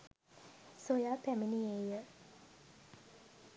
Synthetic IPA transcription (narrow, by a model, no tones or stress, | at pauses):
sojapʰɛməniejəʔ